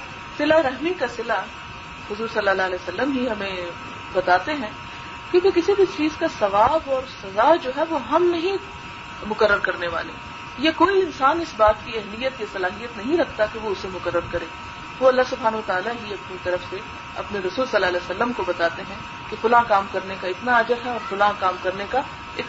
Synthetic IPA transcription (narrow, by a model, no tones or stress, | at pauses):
sɪlaɾɛɦmikasɪla | hʊzuːɾsɐlːaːlaːlɛːsɐlːəmɦiɦɐmẽ | bɐt̪aːt̪eɦɛ̃ | kjõːkekɪsibʱit͡ʃiːzkasɐʋaːbɔːɾsɐzad͡ʒoːɦɛʋoɦɐmnɐɦĩ | mʊkəɾːəɾkɐɾneʋa̰ːlḛː | jekoːiɪnsaːnɪsbaːt̪kiɛɦlijət̪jasɐlaːɦijət̪nɐɦĩɾɐkʰt̪akeʋoʊsemʊkəɾːəɾkɐɾẽː | ʋoɐlːaɦsʊbʱaːnəʋət̪aːlaɦiɐpnit̪ɐɾəfse | ɐ̰pneɾɐsuːlsɐlːaːlɛːsɐlːəmkobɐt̪aːt̪eɦɛ̃ | kefʊlãːkaːmkɐɾnekaɪt̪naɐd͡ʒəɾɦɛɔːɾfʊlãːkaːmkɐɾneka | ɪt̪